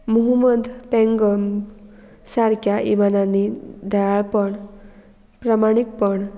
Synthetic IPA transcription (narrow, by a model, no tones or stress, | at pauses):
muɦuməd̪ʱpɛ̃ŋɡəm | saɾkʰjaʔimananːid̪ʱaɭaɭpəɳ | pɾəmaɽ̃ik̚pəɳ